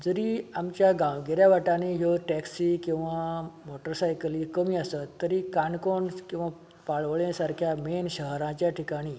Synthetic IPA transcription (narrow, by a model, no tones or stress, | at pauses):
d͡zəɾiːamt͡ɕjaɡãwɡeɾjaʋaʈaneɦjoʈɛksikĩw̃ʋamɔʈəɾsajkəliːkəmiːasət̪ːəɾiːkaɳkoɳkĩw̃ʋa | paɭʋɭjãsaɾkʰjamenɕəɦəɾãt͡ɕjaʈʰikaɽ̃iː